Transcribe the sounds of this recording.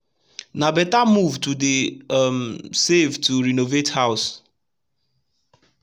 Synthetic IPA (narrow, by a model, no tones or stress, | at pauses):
nabɛtamuvtudemsevtuɹinovethaʊs